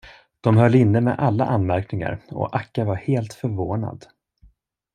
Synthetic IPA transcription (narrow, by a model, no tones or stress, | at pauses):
d̪̥ɔmhœlːɪnːəmɛ̰ʔalːa̰ʔanmæɾknɪŋa̰ɾɔ̰ʔakːavaɾheːlt̪fœɾvoːna̰d̪